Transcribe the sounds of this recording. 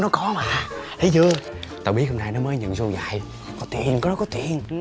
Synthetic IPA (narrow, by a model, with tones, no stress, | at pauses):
nɔ˨˦kɔ˨˦maː˨˩t̪ʰi˨˦jt͡ɕɨ˧ə | t̪aː˧˩ɓi˦˥ət̚ho˧naː˧jnɔ˨˦məː˨˦jɲə̰˧˨nzu˧za̰ː˧˨j | kɔ˨˦t̪ḭ˨˧˩ənkɔ˨˦nɔ˨˦kɔ˨˦t̪ḭ˧˩ən